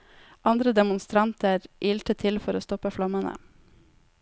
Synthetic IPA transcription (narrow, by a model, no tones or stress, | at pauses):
ʔɑnd̪ɾəd̪ɛmʊnst̪ɾɑnt̪əɾʔiːlʈ̪ət̪ʰɪlfɔɾoːst̪ɔpəflɑmənə̰